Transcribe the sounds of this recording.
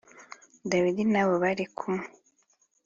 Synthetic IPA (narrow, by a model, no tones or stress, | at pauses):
daβid̪inaβoβaɾikʰu